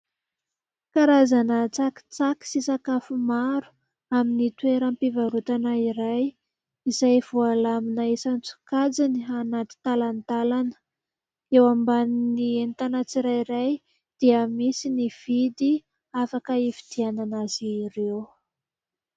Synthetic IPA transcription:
kaɾazanət͡saki̥t͡saki̥sisakafumaɾu̥ | aminit̪weɾampivaɾut̪anaiɾaj | izajv̥ualaminaesant͡su̥kad͡zinianat̪i̥t̪alant̪alanə̥ | ewambaninient̪anat͡siɾajɾaj | d̪̥iəmisiniv̥id̪i | afakəefi̥d̪̥iananaziɾew

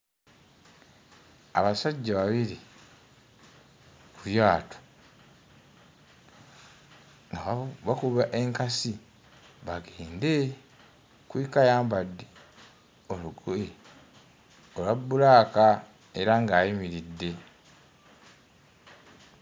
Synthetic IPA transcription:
a̰βasaɟːaβaβiɾi | kuβjaːto̥ | ŋɡaβakuβaʔe̞ŋkasi | βaɡeːnde | kwikajaːmbadːi | oluɡoe | olabːulaːka | e̞ɾaŋɡaːjimiɾidːe̞

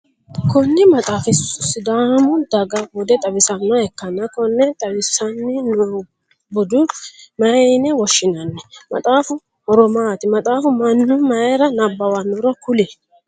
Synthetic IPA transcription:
kɔnːɪmɐt̪ʼaːfɪsʊsɪd̪aːmʊd̪ɐɡɐbʊd̪ɛt̪ʼɐbɪsɐnːaɛkːɐnːɐkɔnːɛt̪ʼɐbɪsɐnːɪno | bʊd̪ʊmɐɛnɛwɔʃːɪnɐnːɛmɐ̰t̪ʼaːfʊ | hɔɾɔmaːt̪ɪmɐt̪ʼaːfʊmɐnːʊmɐɛɾɐnɐbːɐwɐnːʊɾɔkʊlɛ

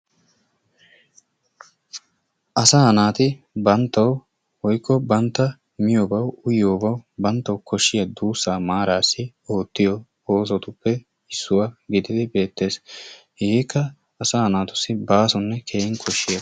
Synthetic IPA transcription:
ʔɐsaːhɐnaːt̪ɪ | bɐnt̪ːɐw | wɔjkːɔbɐnt̪ːɐ | mɪjoːbɐwʊjoːbɐwbɐnt̪ːɐwkʰɔʃːɪjɐd̪uːsːaːmaːɾaːsːɪ | o̞ːt̪ːɪjɔ | oːs̬ɔt̪ʊpːɛ | ɪsːʊwɐɡɪd̪ɪd̪ɪbe̞ːt̪ːe̞ːs | hɪɡiːkːɐː | saːhɐnaːt̪ʊsɪbaːsɔnːɛkʰeːʔɪŋkʰɔʃːɪjɐ

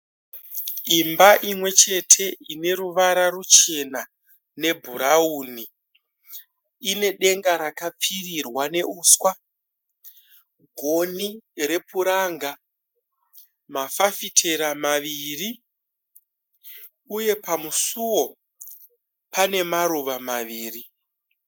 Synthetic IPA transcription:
imbaʔimwe̞t͡ʃe̞tʰe̞ine̞ɾuʋaɾarut͡ʃe̞na | ne̞bʱuɾauːni | ine̞ɗe̞ŋɡaɾakap͡firirwane̞uːskwa | ɡʱo̞nire̞puɾaːŋɡa | mafafitʰe̞ɾamaʋiri | uje̞pamusuwo̞ | pane̞maɾuʋamaʋiːri

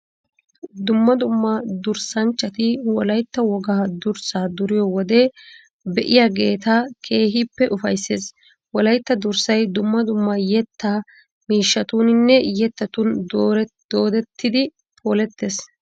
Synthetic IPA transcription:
d̪ʊmːɐd̪ʊmːɐd̪ʊɾsɐnt͡ʃʼːɐt̪ɪwɔlɐjt̪ːɐwɔɡaːd̪ʊɾsaːd̪ʊɾɪjɔwɔd̪eː | bɛʔɪjaːɡe̞ːt̪aːkʰe̞ːɦipːɛʔʊfɐjsːe̞ːs | wɔlɐjt̪ːɐd̪ʊɾsɐjd̪ʊmːɐd̪ʊmːɐjɛt̪ːa | miːʃːɐt̪uːnɪnːɛjɛt̪ːɐt̪und̪oːɾd̪̥oːd̪ɛt̪ːɪd̪ɪ | pʰo̞ːlɛt̪ːe̞ːs

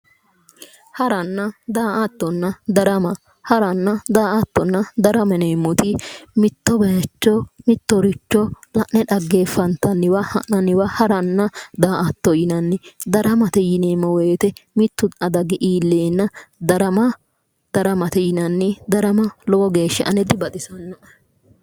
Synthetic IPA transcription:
hɐɾɐnːɐd̪aːʔɐt̪ːɔnːɐd̪ɐɾɐmɐ | hɐɾɐnːɐd̪aːɐt̪ːɔnːɐd̪ɐɾɐmɛnemːʊt̪ɪmɪt̪ːɔbɛt͡ʃːɔmɪt̪ːɔɾɪt͡ʃːɔ | lɐʔnɛᶑɐɡːeːfɐnt̪ɐnːɪwɐhɐnɐnɪwɐhɐɾɐnːɐd̪aːʔɐt̪ːɔjɪnɐnːɪd̪ɐɾɐmɐt̪ɛjɪneːmːɔweːt̪ɛmɪt̪ːʊɐd̪ɐɡɛʔiːlːeːnːɐd̪ɐɾɐmɐ | d̪̥ɐɾɐmɐt̪ɛjɪnɐnːɪd̪ɐɾɐmɐlɔwɔɡeːʃːɛ̰ʔɐnɛd̪ɪbɐd̪ɪsɐnːɔʔ

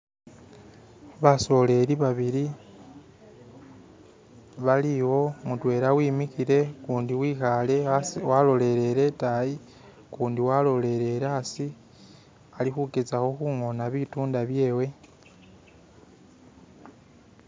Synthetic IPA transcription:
βaso̞le̞ɾiβaβiɾi | βaliwo̞mutwe̞ːɾawiːmixiɾe̞kuːndiwiːxale̞walo̞le̞ɾe̞ɾe̞taji | kuːndiwalo̞le̞ɾe̞ɾasi | alixuke̞t͡saxo̞xuŋo̞naβituːndaβje̞ːwe̞

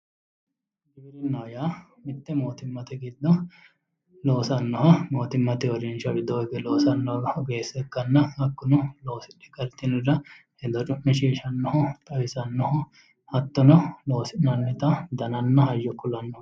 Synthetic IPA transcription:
ɡiːɾɪnːɐjaː | mɪt̪ːɛmoːt̪ɪmːɐt̪ɛɡɪd̪ːɔ | lo̞ːsɐnːɔɦɐmo̞ːt̪ɪmːɐt̪ɛɔɾɛnt͡ʃɐɡɪd̪ːɔɔɡɛloːsɐnːɔɔɡeːsɛkːɐnːɐhɐkːʊnʊlo̞ːsɪɗɛkʼːɐɾt̪ːɪnɪɾɐhɛd̪ɔt͡ʃʼʊʔːɪʃiːʃɐnːɔhɔt̪ʼɐwɪsɐnːɔhɔ | hɐt̪ːɔnɔlo̞ːsɪnɐnːɛt̪ɐd̪ɐnɐnːɐhɐjːɔkːʊlɐnːɔ

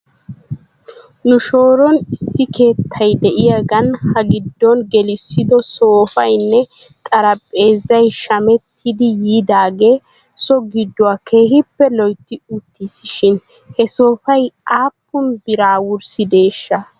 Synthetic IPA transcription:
nʊʃo̞ːɾɔnɪsːɪke̞ːt̪ʰːɐjd̪ɛʔɪjaɡɐnhɐɡɪd̪ːɔnɡɛlɪsːɪd̪ɔso̞ːfɐjnːɛ | t̪ʼɐɾɐpʼːe̞ːzːɐjʃɐmɛt̪ʰːɪd̪ɪjiːd̪aːɡe̞ː | sɔɡɪd̪ːʊaːkʰe̞ːɦɪpːɛlɔjt̪ːɪʊt̪ːɪsɪʃɪn | hɛso̞ːfɐjaːpːʊnbɪɾaːwʊɾsɪd̪e̞ːʃːɐ

